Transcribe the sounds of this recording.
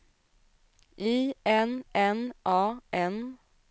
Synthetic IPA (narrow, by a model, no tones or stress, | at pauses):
ʔiːɛnʔɛnʔɑːʔɛn